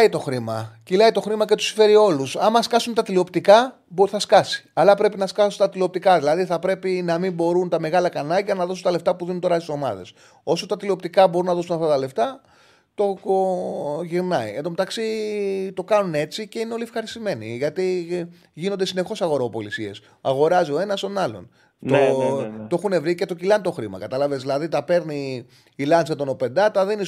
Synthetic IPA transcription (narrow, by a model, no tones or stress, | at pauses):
it̪o̞xɾimɐ̰cilɐit̪o̞xɾimɐcet̪u̥si̥fe̞ɾio̞lusɐmɐskɐsunt̪ɐt̪lio̞pt̪ikɐ | boθɐskɐsi̥ɐlɐpɾe̞pinɐskɐsunt̪ɐt̪lio̞p̚t̪ikɐðilɐðiθɐpɾe̞pinɐmimbo̞ɾunt̪ɐme̞ɣɐlɐkɐnɐɟɐnɐðo̞sunt̪ɐle̞ft̪ɐpuðinunt̪o̞ɾɐst̪iso̞mɐ̰ðe̞̰s | o̞sot̪ɐt̪ilio̞p̚t̪ikɐbo̞ɾunɐðo̞s̬unɐft̪ɐt̪ɐle̞ft̪ɐ | t̪o̞ | ʝiɾnɐied̪omet̪ɐksit̪o̞kɐnune̞t͡sice̞ineo̞liefxɐɾist̪ime̞niʝɐt̪i | ʝinond̪esine̞xo̞sɐɣo̞ɾoːpo̞lisie̞s | ɐɣo̞ɾɐzio̞e̞nɐst̪o̞nɐlo̞̰n | t̪ot̪oe̞xune̞vɾicet̪o̞cilɐnt̪oxɾimɐ̰kɐt̪ɐlɐvezðilɐðit̪ɐpe̞ɾniː | lɐnsɐt̪o̞no̞pe̞nd̪ɐt̪ɐðeni